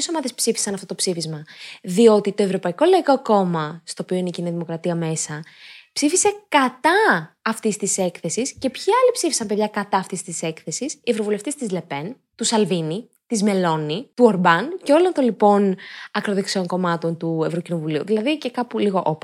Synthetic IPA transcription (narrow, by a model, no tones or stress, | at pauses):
eso̞mɐðe̞spsifi̥sɐnɐft̪ot̪o̞psifizmɐðio̞t̪it̪o̞e̞vɾo̞pɐiko̞lɐiko̞ko̞mɐst̪o̞ːpio̞ineiciniðimo̞kɾɐt̪iɐme̞sɐpsifise̞kɐt̪ɐːft̪ist̪ise̞kθe̞sisce̞pçiɐlipsifisɐmpeðʝɐkɐt̪ɐːft̪ist̪ise̞kθe̞sisie̞vɾo̞vule̞ft̪ist̪izle̞pe̞n | t̪usɐlvini | t̪izme̞lo̞nit̪uoɾbɐnce̞o̞lont̪onlipo̞nɐkɾoðe̞ksio̞ŋko̞mɐt̪o̞nt̪ue̞vɾo̞cino̞vuliuðilɐðice̞kɐpuliɣo̞ʔop